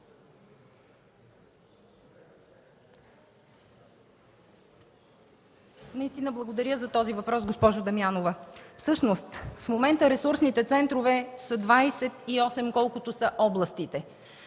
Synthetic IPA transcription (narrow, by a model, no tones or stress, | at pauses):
nɐist̪inəblˠɐɡod̪ɐɾʲjəzɐt̪ɔzivɐpɾɔsɡospɔʒʊd̪ɐmianovəfsɤʃnost̪fmomɛnt̪əɾɛsuɾsnit̪ɛt̪sɛnt̪ɾovɛsəd̪vajsɛt̪iɔsɛmkɔlˠkʊt̪osəʔɔblˠɐst̪it̪ɛ